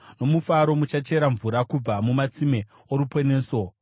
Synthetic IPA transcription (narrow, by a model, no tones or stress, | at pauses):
no̞mufaɾo̞mut͡ʃat͡ʃe̞ɾaɱvuɾakub͡vamumat͡sime̞ | oɾupeneːso̞